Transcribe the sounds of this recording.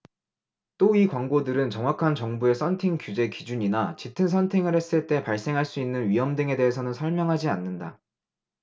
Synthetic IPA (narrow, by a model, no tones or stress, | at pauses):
t͈oikwaŋɡodɯɾɯnt͡ɕʌŋwakʰant͡ɕʌŋbue̞sʰʌntʰeŋkjud͡ʑe̞kid͡ʑuɲinat͡ɕitʰɯnsʰʌntʰeŋɯɭɾhe̞s͈ɯɭt͈e̞paɭs͈e̞ŋɦaɭs͈uinːɯnɥiɦʌmdɯŋe̞de̞ɦes̬ʰʌnɯnsʰʌɭmjʌŋɦad͡ʑianːɯnda